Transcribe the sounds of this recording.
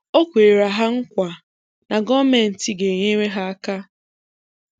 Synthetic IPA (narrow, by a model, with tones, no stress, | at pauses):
o˦kʷe˨ɾa˨ɦa˦ŋ̩˦kʷa˨ | na˨ɡɔ˦me˨n̩˨ti˦ɡe˨ɲe˦me˦ɦa˦a˦ka˦